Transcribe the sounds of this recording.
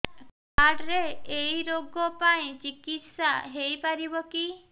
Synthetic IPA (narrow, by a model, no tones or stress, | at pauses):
kaɖɾeejɾoɡɔpaĩt͡ʃikit̪saɦejpaɾibɔki